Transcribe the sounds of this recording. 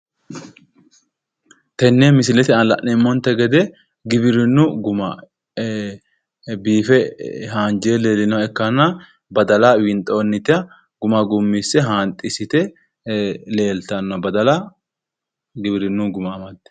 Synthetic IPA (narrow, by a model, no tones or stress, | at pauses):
t̪ɛnːɛmɪsɪlɛt̪ɪɐlɐʔnɛmːɔnt̪ːɛɡɛd̪ɛ | ɡɪbɪɾɪnːʊɡʊmɐ | biːfɛhaːnd͡ʒeleːlːɪnɐwɛkːɐnːɐ | bɐd̪ɐlawɪnt̪ʼoːnːɪt̪ɪɐ | ɡ̥ʊmɐɡʊmːisɛɦaːnt̪ʼɪsɪt̪ɛ | le̞ːlt̪ɐnːɐbɐd̪ɐlɐ | ɡɪbɪɾɪnːuɡʊmɐmɐt̪ːɛ̥